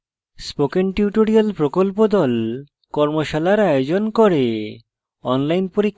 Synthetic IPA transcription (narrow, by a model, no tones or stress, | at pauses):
spokenʈuʈoɾialpɾokolpod̪ɔl | kɔɾmoʃalaɾaeod͡ʑonkɔɾe | ɔnlajnpoɾikʰː